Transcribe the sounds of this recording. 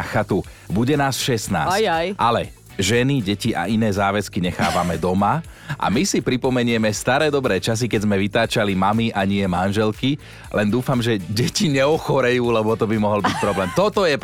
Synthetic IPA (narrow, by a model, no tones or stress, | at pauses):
xat̪u | buɟɛnaːsʃɛst̪na̰ːsjʔalɛ̰ | ʒɛniɟɛciʔa̰ʔinɛːzaːʋɛskiɲɛxa̰ːʋamɛd̪ɔma | ʔa̰misipɾipɔmɛɲɪɛmɛst̪aɾɛːd̪ɔbɾɛːt͡ʃas̬ikɛzmɛʋit̪aːt͡ʃalimamiʔaɲɪɛmanʒɛlki | lɛnd̪uːfamʒɛɟɛciɲɛɔxɔɾɛjuːlɛbɔt̪ɔbimɔɦɔlbic̚pɾɔblɛːmt̪ɔt̪ɔjɛ